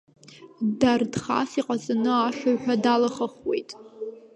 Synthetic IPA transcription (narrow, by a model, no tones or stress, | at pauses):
dardχa̰siqʼazʼanɨaʃaɥħʷᶣadalaχəχwe̞̰jtʼ